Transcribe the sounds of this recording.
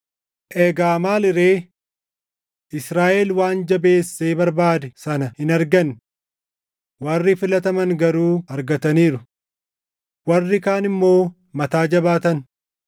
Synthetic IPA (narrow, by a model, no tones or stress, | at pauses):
ʔɛɡaːmaːlɪɾe̞ː | ʔɪsɾaːʔelwaːnd͡ʒɐbe̞ːsːeːbɐɾbaːd̪ɛsɐnɐhɪnɐɾɡɐn | wɐrːɪfɪlɐt̪ɐmɐŋɡɐɾuːɐɾɡɐt̪ɐniːɾʊ | wɐrːɪkaːnɪmːo̞ː | mɐt̪aːd͡ʒɐbaːt̪ɐn